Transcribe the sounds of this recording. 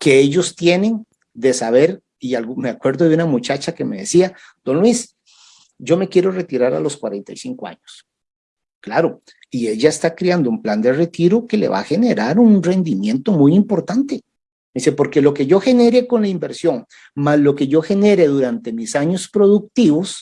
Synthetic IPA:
ke̞eʝo̞st̪je̞ne̞ŋ | d̪e̞saβe̞ɾ | ialɣumeakwe̞ɾðoðeunamut͡ʃat͡ʃake̞me̞ðḛsia | d̪̥o̞nlwis | d͡ʒo̞me̞kje̞ɾo̞re̞t̪iɾaɾa̰lo̞skwaɾe̞nt̪ajsiŋko̞a̰ɲos | klaɾo̞ | ie̞ʝaest̪akɾeand̪oumpland̪e̞re̞t̪iɾo̞ke̞lḛβa̰xe̞ne̞ɾaɾunre̞nd̪imje̞nt̪o̞mujimpo̞ɾt̪ant̪e̞ | isepo̞ɾke̞lo̞ke̞ʝo̞xe̞ne̞ɾe̞ko̞nlaimbe̞ɾsjo̞ŋ | maslo̞ke̞ʝo̞xe̞ne̞ɾe̞ðuɾant̪e̞misaɲospɾo̞ðuk̚t̪iβos

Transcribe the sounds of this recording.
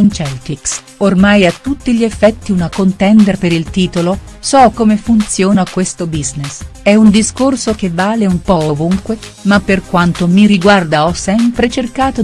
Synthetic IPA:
nt͡ʃɛlt̪iks | ormajat̪ːut̪ːiʎiefːɛt̪ːiunakont̪ɛnd̪erpeɾilt̪iːt̪olo | sɔkomefunt̪sjɔːnakwest̪obiznesɛund̪iskorsok̟evːaːleumpɔovuŋkwe | mapːerkwant̪omiɾiɡward̪aɔsːɛmpɾet͡ʃerkaːt̪o

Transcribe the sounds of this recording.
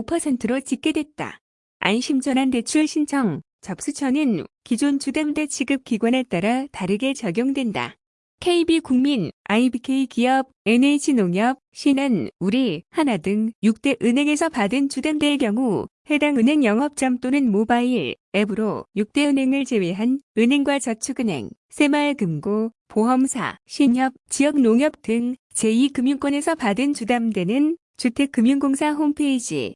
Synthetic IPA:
opʰʌsʰe̞ntʰɯɾot͡ɕik͈̚e̞dwe̞t̚t͈a̰ | a̰nɕʰimd͡ʑʌnɦante̞t͡ɕʰuɭɕʰint͡ɕʰʌŋ | t͡ɕʌp̚s͈ɯt͡ɕʰʌnɯnkid͡ʑont͡ɕudemde̞t͡ɕʰiɡɯp̚k͈iɡwane̞t͈aɾataɾɯɡe̞t͡ɕʌɡjoŋdwe̞nda̰ | kʰe̞ibikuŋminaibikʰe̞ikiʌb̚e̞neit͡ɕʰinoŋjʌb̚ɕʰinɯnuɾihanadɯŋjuk̚t͈e̞ʔɯnɦe̞ŋe̞sʰʌpadɯnt͡ɕudemdeɭkjʌŋuhe̞daŋɯnɦe̞ŋjʌŋɦʌp̚t͡ɕ͈ʌmt͈onɯnmobaiɭ | e̞bɯɾojuk̚t͈e̞ɯnɦe̞ŋɯɭt͡ɕe̞weɦanɯnɦe̞ŋɡwat͡ɕʌt͡ɕʰuɡɯnɦe̞̰ŋ | sʰe̞maɭkɯmɡo | poɦʌmsʰa̰ɕʰiɲʌp̚t͡ɕiʌk̚noŋjʌp̚t͈ɯŋ | t͡ɕe̞ikɯmjuŋk͈wʌne̞sʰʌpadɯnt͡ɕudamde̞nɯn | t͡ɕutʰe̞k͈ɯmjuŋɡoŋsʰaɦompʰe̞id͡ʑḭ

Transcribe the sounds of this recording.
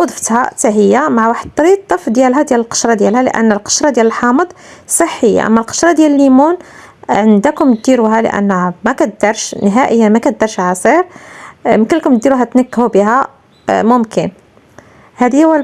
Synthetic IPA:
ʔod̪ˤfə̥t̪hæ̰t̪æɦəjːamaʕwaħəd̪̚t̪ːˤɑɾit̪ˤːəfd̪jælɦæd̪jæləlqə̥ʃɾˤɑd̪jælhælə̰ʔæ̰nːəlqə̥ʃɾˤɑd̪jæləlħɑməd̪ˤsˤəħːəjːa̰ʔæ̰mːælqə̥ʃɾˤɑd̪jæləlːimun | ʕənd̪ækʊmt̪̚d̪iɾuɦælə̰ʔæ̰nːmækæt̪̚d̪ɑɾˤʃnəɦæʔəjːamækæt̪̚d̪ɑɾˤʃʕasˤiɾ | mkəlːkʊmt̪̚d̪iɾuɦæt̪nəkːhubiɦæ | mʊmkən | hæd̪əjːæ

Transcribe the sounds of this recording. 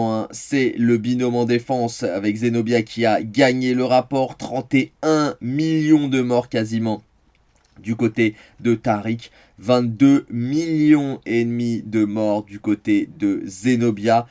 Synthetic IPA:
ɛ̃sɛləbinɔmɑ̃d̪efɑ̃savɛkzenɔbjakʲʰiaɡaɲeləʁapɔʁt̪χɑ̃t̪eɛ̃miljɔ̃d̪əmɔʁkazimɑ̃ | d̪ykot̪e | d̪ət̪aʁik | vɛ̃t̪̚d̪ømiljɔ̃ed̪mid̪əmɔʁd̪ykot̪ed̪əzenɔbja

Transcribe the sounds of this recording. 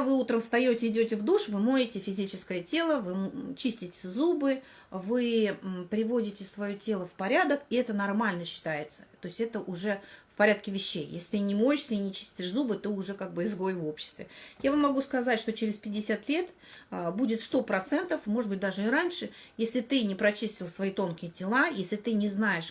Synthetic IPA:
vɨut̪ɾəmst̪ɐjotʲɪɪdʲotʲɪvd̪uʂvɨmoɪtʲɪfʲɪzʲit͡ɕɪskəjətʲe̞lˠəvɨt͡ɕisʲtʲɪtʲɪ̥zubɨ | vɨpɾʲɪvo̞dʲɪtʲɪsvɐjotʲe̞lˠəfpɐɾʲad̪əkɪɛt̪ənɐrmalʲnəɕːɪ̥t̪ajɪt̪sə̥t̪o̞ɪsʲtʲɛt̪əʔʊʐɛfpɐɾʲat̪kʲɪvʲɪɕːejjḛsʲlʲɪt̪ɨnʲɪmoɪʂsʲəinʲɪt͡ɕi̥sʲtʲɪʂzubɨt̪oʊʐɛkaɡ̚bɨɪzɡo̞jɪvo̞pɕːɪ̥st̪vʲɪjavamːɐɡuskɐzatʲʂt̪o̞t͡ɕɪɾʲɪspʲɪdʲːɪsʲat̪lʲe̞t̪ | əbudʲɪt̪st̪o̞pɾɐt̪sɛnt̪əfmoʐɨd̪bɨt̚ʲd̪aʐɨɪɾanʲʂɨ | jesʲlʲɪt̪ɨnʲɪpɾɐt͡ɕisʲtʲɪlˠsvɐit̪o̞nkʲɪjɪtʲɪlˠajesʲlʲɪt̪ɨnʲɪznaɪʂ

